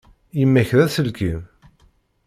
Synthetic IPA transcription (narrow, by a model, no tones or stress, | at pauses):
jəmːæçðæθəlkim